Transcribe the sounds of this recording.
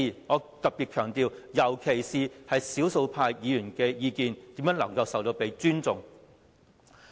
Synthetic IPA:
i˨ŋɔː˨˧t̪ɐ˨˩p̚piː˨t̚kʰœː˨˩ŋt̪iː˨wjɐ˨˩wkʰe˨˩jsiː˨hɐ˨jsiː˨˥wso˧wpʰaː˧jjiː˨˧jyː˨˩nkɛː˧jiː˨˧kiː˨nt̪i˨˥mjœː˨˥ŋlɐ˨˩ŋkɐ˧wsɐ˨wt̪o˧wpe˨˧jt͡ʃyː˥nt͡sʊ˨ŋ

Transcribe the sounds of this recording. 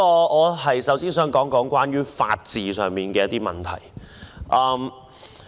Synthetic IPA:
ɔː˧ɔː˨˧ɦɐ˨jsɐ˨˥wsiː˥nsœː˨˥ŋkɔː˨˥ŋkɔː˨˥ŋkʷaː˥njyː˥fa̰ː˧t̚t͡siː˨sœː˨ŋmiː˨nkɛː˧jɐ˥t̪iː˥mɐ˨˩nt̪ʰɐ̰˨˩jʔɐː˧m

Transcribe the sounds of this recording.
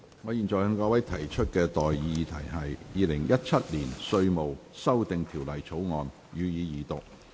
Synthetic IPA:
ŋɔː˨˧ji˨nt͡sɔː˨jhœ˨˧ŋkɔː˧wɐ˨˥jt̪ʰɐ˨˩jt͡ʃʰɵ˥t̚kɛː˧t̪ɔː˨ji˧t̪ʰɐ˨˩jɦɐ˨jjiː˨˧lɪ˨˩ŋjɐ˥t̚t͡sʰɐ˥t̚liː˨˩nsɵ˧ɥmo˨wsɐ˥wt̪ɪ˨ŋt̪ʰiː˨˩wlɐ˨˩jt͡sʰo˨˥wŋɔː˨˧n | jyː˨˧jiː˨˧jiː˨˩t̪ʊ˨k̚

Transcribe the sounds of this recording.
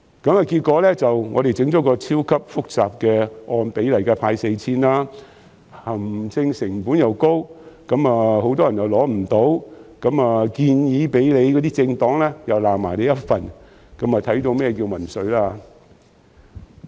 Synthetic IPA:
kɐ˨˥maː˨˧kiː˧t̚kɔː˨˥lɛː˥t͡sɐ˨wŋɔː˨˧d̪e˨jt͡sɪ˨˥ŋt͡ʃɔː˨˥kɔː˧t͡sʰiː˥wkʰɐ˥p̚fʊ˥k̚t͡saː˨p̚kɛː˧ʔɔː˧npe˨˥jlɐ˨˩jkɛ˧pʰaː˧jse˧jt͡sʰiː˥nlaː˥ | hɐ˨˩mt͡sʰɪ˧ŋsɪ˨˩ŋfuː˨˥njɐ˨wko˥wkɐ˨˥maː˨ho˨˥wt̪ɔː˥jɐ˨˩njɐ˨˩wlɔː˨˥m̩˨˩t̪o˨˥wkɐ˨˥maː˨kiː˧njiː˨˧pe˨˥jle˨˧jkɔː˨˥t̪iː˥t͡sɪ˧ŋt̪ɔː˨˥ŋlɛː˥jɐ˨wlaː˨˩mːaː˨˩jle˨˧jɐ˥t̚fɐ˨˧n | kɐ˨˥mɐː˨t̪ʰɐ˨˥jt̪o˧wmɛː˥˩kiː˧wmɐ˨˩nsɵ˨˧ɥlaː˧

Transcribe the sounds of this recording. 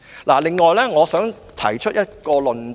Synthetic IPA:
laː˨˩lɪ˨ŋːɔː˨˩jlɛː˥ŋɔː˨˧sœː˨˥ŋ | t̪ʰɐ̰˨˩jt͡ʃʰɵ˥t̚jɐ˥t̚kɔː˧lɵ˨n

